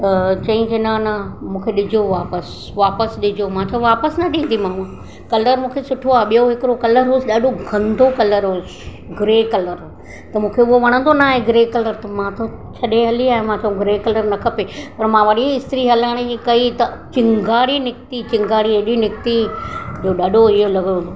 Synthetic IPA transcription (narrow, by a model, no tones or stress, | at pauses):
t̪ɐt͡ɕɐ̃ĩd͡ʑenanɐmũːkʰeɗɪd͡ʑʱoʋaːpəs | ʋaːpəsɗɪd͡ʑʱomãːt͡ɕʰɐũʋaːpəsnɐɗĩːnd̪imãːũ | kɐləɾmũːkʰesʊʈʰoaːɓijoɦɪkɪɾokɐləɾɦoːsɗaːɗoɡʱɐ̃nd̪ʱokɐləɾɦoːs | ɡɾeːkɐləɾ | t̪ɐmũːkʰeʊɦoʋɐɽ̃ə̃nd̪onaːɦeɡɾeːkɐləɾt̪ɐmãt̪ʰot͡ɕʰɐɗẽɦɐliaːɦẽmãːt͡ɕʰɐũɡɪɾekɐləɾnɐkʰɐpepɐɾmãʋɐɗiɪst̪ɾiɦɐlaːɪɽ̃ekɐit̪ɐt͡ɕɪ̃ŋɡaːɽinɪkt̪it͡ɕɪ̃ŋɡaːɽiɐɗinɪkt̪id͡ʑoːɗɐɗoɪɦolɐɡõo